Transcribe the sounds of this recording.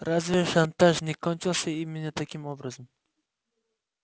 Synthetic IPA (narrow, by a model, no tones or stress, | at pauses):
ɾazveʃant̪aʒnɪkɒnt͡ʃʰɪlˠsaɪmːɪnat̪ʰakʲɪmobɾazɪm